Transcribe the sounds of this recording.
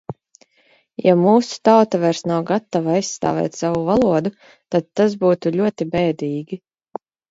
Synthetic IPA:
jamuːsu̥t̪awt̪avɛɾsnawɡat̪ːavajssːt̪a̰ːvɛ̰ːt̪ʲsavuvalˠuɔd̪u | t̪ad̪̚t̪ːazbuːt̪uʎʲuɔt̪ibɛːd̪iːɡʲi

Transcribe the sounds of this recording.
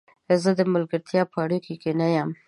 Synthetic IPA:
zəd̪əməlɡəɾt̪ʰjɑpʰaɽukikenajam

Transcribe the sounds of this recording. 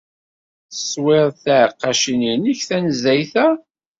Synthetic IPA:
θə̥sˤwɪðˤθæʕqːɑʃininiçθænzæjθæ

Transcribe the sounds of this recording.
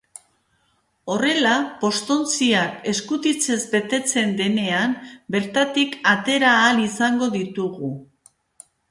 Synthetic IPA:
o̞re̞lapo̞st̪o̞nt͡siake̞skut̪it͡se̞zbe̞t̪e̞t͡se̞nd̪e̞ne̞ambe̞ɾt̪at̪ikat̪e̞ɾaːlisaŋɡo̞ðit̪uɣu

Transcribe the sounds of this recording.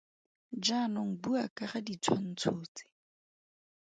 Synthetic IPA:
d͡ʒanɔŋ̩buakʼaχadit͡sʰwan̩t͡sʰoːt͡sʼɪ̥

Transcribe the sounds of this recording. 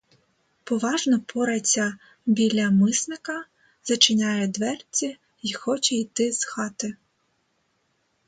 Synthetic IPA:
pɔʋɑʒnɔpʰɔɾɐt͡sʲːɐ | bʲilʲɐmɪsnɪkɐ | z̥ɐt͡ʃɪnʲajɛd̪ʋɛrt͡sʲi | ixɔt͡ʃɛit̪ɪzxɑt̪ɪ

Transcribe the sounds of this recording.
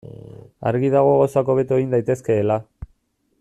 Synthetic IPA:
a̰ɾɣið̞aɣ̞o̞ɣasoako̞β̞e̞t̪ueind̪ajt̪e̞ske̞ːla

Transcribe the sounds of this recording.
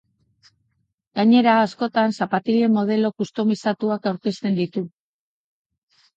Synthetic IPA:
ɡ̥aɲe̞ɾaːsko̞t̪ansapat̪ile̞mːo̞ð̞e̞lo̞kust̪o̞misat̪uakawɾke̞st̪e̞nd̪it̪u

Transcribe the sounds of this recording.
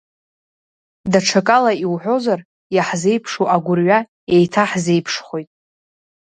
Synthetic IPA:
daʈ͡ʂʰakʼalaiwħʷo̞zar | jaħze̞jpʰʂoʔaɡʷʊrɥa | e̞jtʰaħze̞jpʰʂχʷojtʼ

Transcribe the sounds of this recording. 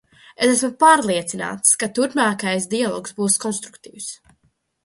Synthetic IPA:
esæsmapaːɾlˠiɛt̪sina̰ːt̪skat̪uɾpmaːkajsd̪ialˠɔ̰ːksbuːskɔnst̪ɾukt̪ḭːws

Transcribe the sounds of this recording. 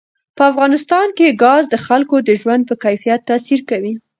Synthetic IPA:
pəafɣɑnɪst̪ɑnkeɡɑzd̪əxalkod̪əʒwand̪̚pəkajfijat̪ːɑsiɾkawi

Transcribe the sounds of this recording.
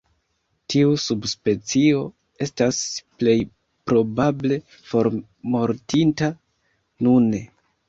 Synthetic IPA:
tiusubspe̞t͡sio̞ | e̞stasple̞j | pɾo̞bable̞ | fo̞ɾ | mo̞ɾtinta | nune

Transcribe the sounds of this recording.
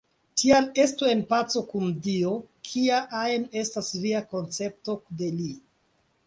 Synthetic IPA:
tʰiale̞stue̞npat͡so̞kundio̞kʰiaʔaene̞stasliako̞nt͡se̞p̚to̞de̞li

